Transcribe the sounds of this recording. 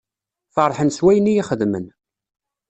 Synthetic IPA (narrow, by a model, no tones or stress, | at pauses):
fɑɾˤħənswæjənijiχəðmən